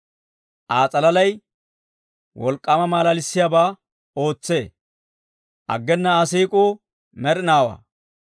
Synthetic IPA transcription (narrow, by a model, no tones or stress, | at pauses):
ʔaːt͡sʼɐlɐlɐj | wɔlkʼːɐmɐmaːlalɪsːɪjaːbaː | o̞ːt͡sːe̞ː | ʔɐ̰ɡːɛnːɐːsiːkʼuː | mɛɾɪnaːwa̰ː